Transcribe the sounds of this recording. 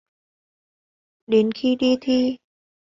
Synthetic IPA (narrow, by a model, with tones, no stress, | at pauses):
ɗe˨˦nxi˧ɗi˧t̪ʰi˧